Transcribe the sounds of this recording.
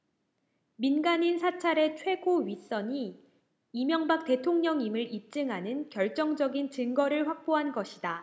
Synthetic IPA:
minɡaɲinsʰat͡ɕʰaɾe̞t͡ɕʰwe̞ɡoɥis͈ʌɲi | imjʌŋbak̚t͈e̞tʰoŋɲʌŋimɯɾip̚t͡ɕ͈ɯŋɦanɯnkjʌɭt͡ɕ͈ʌŋd͡ʑʌɡint͡ɕɯŋɡʌɾɯɭɸwak̚p͈oɦanɡʌɕʰida

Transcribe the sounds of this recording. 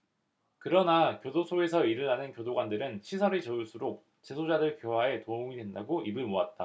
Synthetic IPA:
kɯɾʌnakjodosʰoe̞sʰʌiɾɯɭanɯnkjodoɡwandɯɾɯnt͡ɕʰisʰʌɾit͡ɕʌuɭs͈uɾok̚ | t͡ɕe̞sʰod͡ʑadɯɭkjoɦae̞tooŋidwe̞ndaɡoibɯɭmoat̚t͈a

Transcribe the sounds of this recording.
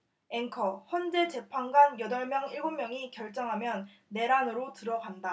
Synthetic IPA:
eŋkʰʌçjʌnd͡ʑe̞t͡ɕe̞pʰaŋɡwanjʌdʌɭmjʌŋiɭɡommjʌŋikjʌɭt͡ɕ͈ʌŋɦamjʌnː | e̞ɾanɯɾotɯɾʌɡanda

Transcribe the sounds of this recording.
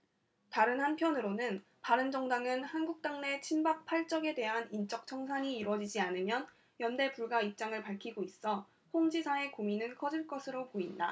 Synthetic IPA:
taɾɯnhanpʰjʌnɯɾonɯn | paɾɯnd͡ʑʌŋdaŋɯnhanɡuk̚t͈aŋne̞t͡ɕʰimbak̚pʰaɭt͡ɕ͈ʌɡe̞de̞ɦanint͡ɕ͈ʌk̚t͡ɕʰʌŋsʰaɲiːɾwʌd͡ʑid͡ʑianɯmjʌn | jʌnde̞puɭɡaip̚t͡ɕ͈aŋɯɭpaɭkʰiɡois͈ʌ | hoŋd͡ʑisʰae̞kominɯnkʰʌd͡ʑiɭk͈ʌsʰɯɾopoinda̰

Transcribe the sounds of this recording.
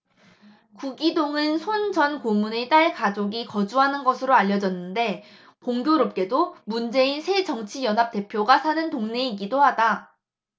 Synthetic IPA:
kuɡidoŋɯnsʰond͡ʑʌnkomune̞t͈aɭkad͡ʑoɡikʌd͡ʑuɦanɯnɡʌsʰɯɾoaʎːʌd͡ʑʌnːɯnde̞ | poŋɡjoɾop̚k͈e̞domund͡ʑe̞insʰe̞d͡ʑʌŋt͡ɕʰijʌnɦap̚t͈e̞pʰjoɡasʰanɯntoŋne̞iɡidoɦada

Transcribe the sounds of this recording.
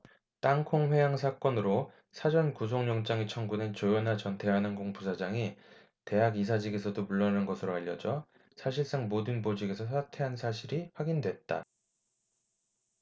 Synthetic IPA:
t͈aŋkʰoŋɸwe̞jaŋs̬ʰak͈ʌnɯɾo | sʰad͡ʑʌnkus̬ʰoŋɲʌŋt͡ɕ͈aŋit͡ɕʰʌŋɡunet͡ɕojʌnɦat͡ɕʌntʰe̞ɦanɯnɡoŋpusʰad͡ʑaŋi | te̞ɦaɡis̬ʰad͡ʑiɡe̞s̬ʰʌdomuɭːʌnanɡʌsʰɯɾoaʎːʌd͡ʑʌ | sʰaɕʰiɭs͈aŋmodɯnbod͡ʑiɡe̞sʰʌsʰatʰe̞ɦansʰaɕʰiɾiɸwaɡindwe̞t̚t͈a̰

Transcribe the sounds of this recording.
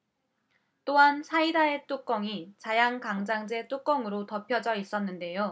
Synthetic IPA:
t͈oɦansʰaidae̞t͈ok͈ʌŋit͡ɕajaŋkaŋd͡ʑaŋd͡ʑe̞t͈ok͈ʌŋɯɾotʌpʰjʌd͡ʑʌis͈ʌnːɯnde̞jo

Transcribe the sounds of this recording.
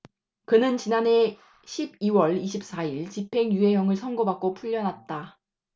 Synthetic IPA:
kɯnɯnt͡ɕinane̞ | ɕʰib̚iwʌɭiɕʰip̚s͈aiɭt͡ɕipʰe̞ŋjuɦe̞ɦjʌŋɯɭsʰʌŋɡobak͈̚opʰuʎːʌnɦat̚t͈a

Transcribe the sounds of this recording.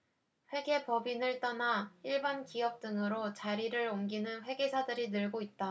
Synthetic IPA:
ɸwe̞ɡe̞pʌbinɯɭt͈ʌnaiɭbankiʌp̚t͈ɯŋɯɾot͡ɕaɾiɾɯɾomɡinɯnɸwe̞ɡe̞sʰadɯɾinɯɭɡoit̚t͈a

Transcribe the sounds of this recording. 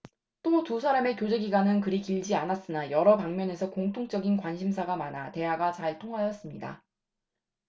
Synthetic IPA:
t͈otusʰaɾame̞kjod͡ʑe̞ɡiɡwanɯnkɯɾikiɭd͡ʑianas͈ɯnajʌɾʌpaŋmjʌne̞sʰʌkoŋtʰoŋt͡ɕ͈ʌɡinkwanɕʰimsʰaɡamanate̞ɦaɡat͡ɕaɭtʰoŋɦajʌs͈ɯmɲida̰

